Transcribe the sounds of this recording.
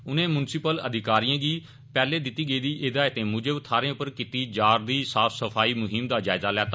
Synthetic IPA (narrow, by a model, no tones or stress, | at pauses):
ʊnẽːmʊnsɪpələ̰d̪ʱɪkaːɾijãːɡiː | pɛːleːd̪ɪt̪ːiːɡeiːd̪iːʔeːd̪aːɪt̪ẽːmʊd͡ʒeːʊt̪ʰaːɾẽːʊpəɾkiːt̪iːd͡ʒaːɾd̪iːsaːfʰsəpʰaːiːmʊɦɪmd̪aːd͡ʒaːɪzaːlɛːt̪a